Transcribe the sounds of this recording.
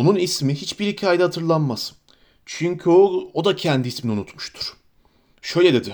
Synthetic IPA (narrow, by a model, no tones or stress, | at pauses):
onunismiɦit͡ʃbiɾhicʰaːjd̪ahat̪ʰɯɾlˠanmas | t͡ʃʰyɲcʰyood̪acʰɛnd̪iisminiunut̪mu̥ʃt̪ʰu̥ɾ̥ | ʃø̞jlʲɛd̪e̞d̪ɪ